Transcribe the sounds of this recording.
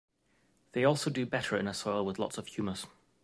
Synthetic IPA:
ðeɪɔˑlˠsoʊdəbɛtʰəɹɪ̰̃nəsɔɪlˠwɪðlɒ̰tsəv̥hjʉːməz̥

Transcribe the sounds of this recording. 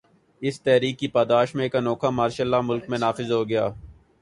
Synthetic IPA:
ɪst̪ɛɦɾiːkːipaːd̪aːʃmẽkanɔːkamaːɾʃəlːaːmʊlkmẽnaːfɪzɦoːɡɐjaː

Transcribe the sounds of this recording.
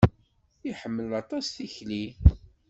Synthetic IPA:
iħəmːəlɑt̪ˤɑsθiçli

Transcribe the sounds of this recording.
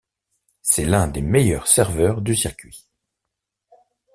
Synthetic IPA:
sɛlɛ̃d̪emejœʁsɛʁvœːʁd̪ysiʁkʲɥi

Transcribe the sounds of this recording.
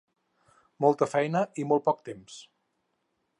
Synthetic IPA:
mɔlˠt̪əfɛjnəʔimɔl̚ˠpɔk̚t̪ems

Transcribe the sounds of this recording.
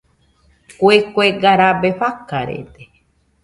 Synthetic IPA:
kʷekʷeɡaɾabeɸakaɾḛt̪e

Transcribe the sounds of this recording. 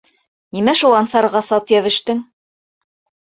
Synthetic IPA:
nimæʃulˠɑnsɑɾʁɑsɑt̪jæβɘ̆ʃt̪ɘŋ

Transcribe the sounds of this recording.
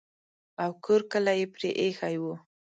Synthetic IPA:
awkʰoɾkəlajepɾeʔexajwu

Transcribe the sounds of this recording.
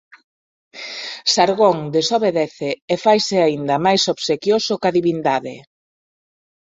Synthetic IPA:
saɾɣoŋd̪esoβeðɛθeːfajsɪaind̪ɐmajsoβsekjosʊkaðiβind̪aðɪ

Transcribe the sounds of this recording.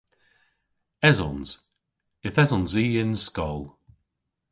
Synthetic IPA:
ɛzɔ̰nz̥ | ɪθɛzɔnziːɪnskɔlˠ

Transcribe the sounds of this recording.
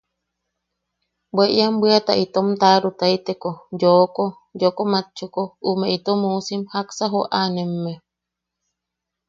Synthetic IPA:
beʔjambwat̪aʔit̪omt̪aɾut̪ait̪ekod͡ʒoko | d͡ʒokomat͡ʃːukoumeit̪omusimhaksaɦoʔanemːe

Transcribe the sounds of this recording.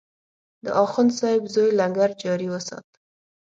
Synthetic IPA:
d̪ə̰ʔɑxʊnd̪sɑɪbzojlaŋɡaɾd͡ʒɑɾiwəsɑ̰t̪̚

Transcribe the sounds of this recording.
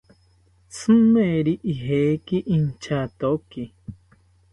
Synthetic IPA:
t͡sɨ̃mẽɾiʔiɦekiʔint͡ʃat̪oki

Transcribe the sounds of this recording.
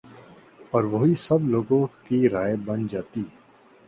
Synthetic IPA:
ɔːɾʋɐɦisɐbloːɡõkiɾaːjebɐnd͡ʒaːt̪iː

